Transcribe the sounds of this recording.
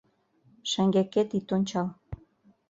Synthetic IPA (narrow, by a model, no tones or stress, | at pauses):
ʃæŋɡeket̪it̪onʲt͡ɕɑl